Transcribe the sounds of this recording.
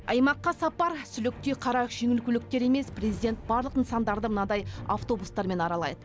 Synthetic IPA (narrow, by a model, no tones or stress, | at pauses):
ɑjmɑqːɑsɑpɑɾsʏlɪk̚t̪eqʰɑɾɑʒ̥e̞ŋʲɪlkʲʏlɪk̚t̪e̞ɾe̞me̞sprezijd̪ʲe̞nt̪̚bɑɾlˠəqənsɑnd̪ɑɾd̪əmənɑd̪ɑja̰ft̪o̞bust̪ɑɾme̞nɑɾɑlˠɑ̰jd̪ə